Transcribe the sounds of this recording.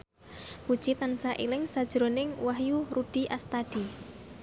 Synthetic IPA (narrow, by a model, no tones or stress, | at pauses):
pud̥t͡ʃit̪ant͡ʃaʔḭlɪŋsad̥ʒ̥ɾonɪŋwaɦjurudɖ̥i̤ʔast̪ad̥i